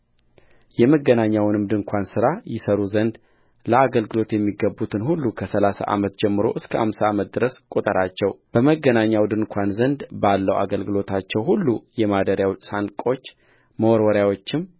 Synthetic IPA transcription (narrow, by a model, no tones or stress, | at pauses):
jɛməɡːənaɲːawnɨmd̪ɨŋkʷʰansɨɾajɪsəɾuzənd̪ | ləaɡəlɡɨlo̞t̪jɛmːiɡəbːut̪ʰɨnhulːukʰəsəlasa̰ʔa̰mət̪d͡ʒɛmːɨɾo̞̰ʔɨskʰəʔa̰msaamət̪̚d̪ɨɾəskʼut̪ʼəɾat͡ʃːɛwb̥əməɡːənaɲːawd̪ɨŋkʷʰanzənd̪balːəwa̰ɡəlɡɨlo̞t̪ʰat͡ʃːɛwhulːujɛmad̪əɾjawsaŋkʼo̞t͡ʃː | məwɔɾwɔɾjawo̞t͡ʃːɪm